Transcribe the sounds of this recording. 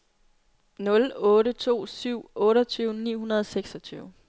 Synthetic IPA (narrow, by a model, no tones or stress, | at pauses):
nɔ̽lɔ̽ːɾət͡sʰo̝̰ːsyʊ̰ɔ̽ːɾɐt͡sʰyʊnḭːɦunɐðˠseɡ̥sɒ̽t͡sʰyːʊ